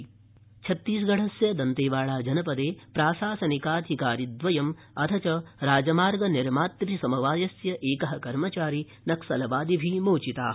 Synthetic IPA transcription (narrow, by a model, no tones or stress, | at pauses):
t͡ʃʰɐt̪ːiːsɡɐɽ̤ɐsjɐd̪ɐnt̪eːʋaːɭaːd͡ʒɐnɐpɐd̪eːpɾaːsaːsɐnikaːd̪ʱikaːɾid̪ʋɐjɐm | ɐt̪ʰɐt͡ʃɐɾaːd͡ʒɐmaːɾɡɐniɾmaːt̪ɾisɐmɐʋaːjɐsjɐʔeːkɐɦɐkɐɾmɐt͡ʃaːɾi | nɐksɐlɐʋaːd̪ibʱimoːt͡ʃit̪aː